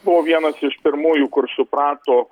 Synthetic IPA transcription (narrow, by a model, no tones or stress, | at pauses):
bʊʋoːʋʲiɛnɐsɪʃpʲɪɾmuːjuːkʊɾsʊpɾɑːt̪oː